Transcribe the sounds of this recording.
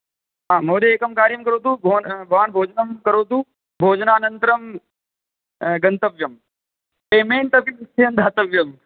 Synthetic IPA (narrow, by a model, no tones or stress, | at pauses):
ɦãːmoːɾeeːkɐmkaːɾijɐmkɐɾoːt̪ʰuːbʱonbʱɐʋaːnbʱoːd͡ʒnɐmkɐɾoːt̪uː | bʱoːd͡ʒnaːnɐ̃nt̪ɾɐm | ɡɐ̃nt̪ɐʋjɐm | peːmeːnt̪ɐbjɐmst̪ʰeɐnd̪ʱaːt̪ɐʋjɐm